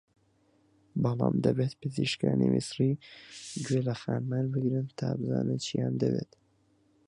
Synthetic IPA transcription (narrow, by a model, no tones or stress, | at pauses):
bɑlɑ̰ːmd̪ɐbet̪pɨziʃkaːnimisɾi | d͡ʒwelɐxaːnmaːnbɨɡɾɨnt̪ʰaːbɨza̰ːnɨnt͡ʃʰijaːnd̪ɐbeːt̪